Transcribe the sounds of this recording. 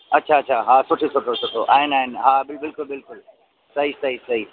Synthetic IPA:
ɐtːʃʰaɐtːɕʰaɦaːsʊʈʰesʊʈʰosʊʈʰoʔa̰ːɦɪnaːɦɪnɦaːbɪlbɪlkʊlbɪlkʊl | sɐɦisɐɦisɐɦi

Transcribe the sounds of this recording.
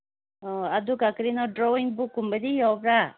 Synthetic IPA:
ɔad̪ukakɾinɔɖɾɔwiŋbukːumbəd̪ijɔbɾa

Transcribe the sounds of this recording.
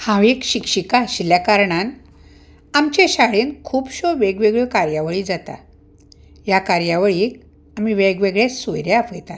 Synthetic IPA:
hãʋekɕikɕikaɕiljakaɾɳan | amt͡ɕeɕaɭenkʰuːpɕoʋeɡʋeɡɭekaɾjaʋɭiːd͡zat̪a̰ | jakaɾjaʋɭik | amiʋeɡʋeɡɭesojɾjaafɡet̪at̪

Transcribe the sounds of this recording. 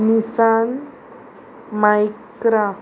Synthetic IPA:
nisan | majkɾa

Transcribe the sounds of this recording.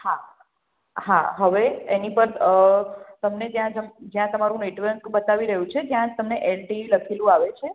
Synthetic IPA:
ha | ha̰ɦəʋeenipəɾət̪əmned͡ʒjãd͡ʒəmd͡ʒjãt̪əmaɾũeʈʋeɳkbət̪aʋiɾəɦũt͡ʃʰet̪jãt̪əmneʔɛlʈiiləkʰelũaʋet͡ʃʰe

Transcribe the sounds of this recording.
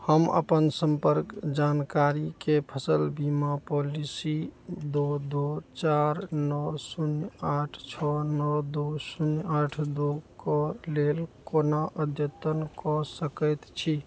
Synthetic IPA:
həmə̰pənsəmpəɾkd͡ʒankaɾikepʰəsəlbimapolisid̪od̪ot͡ʃaɾnɔsunaʈʰt͡ʃʰɔnɔd̪osunaʈʰd̪okɔlelkonaʔəd̪ʱjət̪ənkɔsəkəjt̪t͡ʃʰi

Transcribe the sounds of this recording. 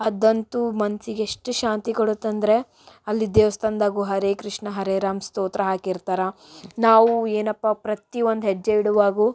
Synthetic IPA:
ɐd̪ɐnt̪umɐnsiɡeʂʈuʃaːnt̪ikoɽut̪ːɐnd̪ɾe̞ | ɐlːid̪eːʋɐst̪ʰɐnd̪aːɡuɦɐɾeːkɾiʂɳɐɦɐɾeːɾaːmst̪oːt̪ɾɐɦaːkiɾt̪aːɾɐ | naːʋueːnɐpːapɾɐt̪iʋond̪ɦed͡ʒːeʋiɽuʋaːɡu

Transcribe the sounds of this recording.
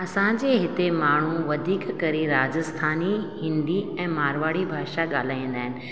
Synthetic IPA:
ɐsãd͡ʑeːɦɪt̪emaːɳ̤uʋɐd̪ʱiːkkɐɾiɾaːd͡ʑəst̪ʰaːnihɪ̃nd̪iɛ̃ːmaːɾʋaːɽibʱaːʃaɠaːl̤aːĩːnd̪aːɦɪnɪ̆

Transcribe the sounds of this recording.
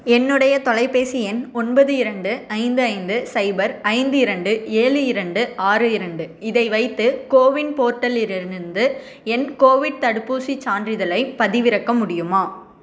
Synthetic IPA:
ɛnːɯɽɐjɐt̪ɔlɐɪpeːsiɛnɔnbɐðɯɪɾɐɳɖɯɐɪnd̪ɯɐɪnd̪ɯsɐɪbɐɾɐɪnd̪ɯɪɾɐɳɖɯeːɭɯɪɾɐɳɖɯaːrɯɪɾɐɳɖɯɪðɐɪʋɐɪt̪ːɯkoːʋɪnpoːɾʈːɐlɪɾɪɯnd̪ɯ | ɛnkoːʋɪɖ̚t̪ɐɽɯpːuːsit͡ʃːaːndrɪðɐlɐɪpɐðɪʋɪɾɐkːɐmʊɽɪjɯmaː

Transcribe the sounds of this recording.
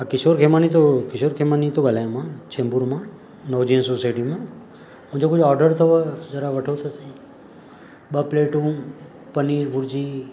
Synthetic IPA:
ãkɪsoːɾkʰemaːnit̪̬okɪsoːɾkʰemaːnit̪oɡəlajãmãt͡ʃʰẽːmbuɾmãː | noʋd͡ʒiənsosaːjʈimãː | mʊ̃ɦɪ̃d͡ʒokʊd͡ʒɔːɾɖəɾt̪ʰoʋəd͡ʒɐɾaʋɐʈʰot̪ʰosi | ɓəpleːʈũː | pɐniːɾbʊɾd͡ʒiː

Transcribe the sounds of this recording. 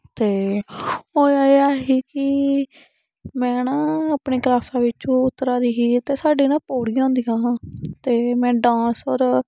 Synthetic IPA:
t̪eː | oːaeaːɦiːkɪ | mɛ̃ːnãːaːpɳiːklaːsãːʋɪt͡ʃõːʊt̪ːɾaːɾiːɦiːt̪eːsaːɖiːnãːpoːɽiːãːnd̪iːãːt̪eːmɛ̃ːɖãːsɔːɾ

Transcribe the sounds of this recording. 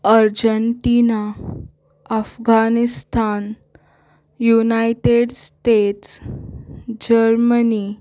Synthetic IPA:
əɾd͡ʑəɳʈina | əfɡanist̪ʰan | junajʈeɽsʈeʈs | d͡ʑəɾməni

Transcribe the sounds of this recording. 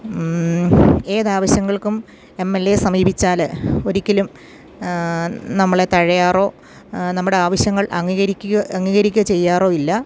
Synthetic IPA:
eːðaːʋɐɕjɐŋːɐɭkum | e̞mːe̞lːe̞sɐmiːbʱit͡ɕːaːlo̞ɾikʲːɐlum | nɐmːɐɭe̞t̪ɐɻɐjaːro̞ː | nɐmːuɽeaːʋɐɕjɐŋːɐɭʔɐ̰ŋːiɣɐɾikʲːuɣɐːŋːiːɣɐɾikʲːɐt͡ɕe̞jːaːro̞ːilːɐ

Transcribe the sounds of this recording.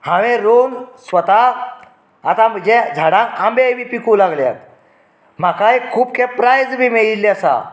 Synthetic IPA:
hãʋẽɾonsʋət̪aː | t̪am̤əɳd͡ʑed͡zʱaɽãkambeʋipikũlaɡlja̰t̪̚ | m̤akajkʰuːp̚kʰepɾajd͡zbimeɭilːeasa̰

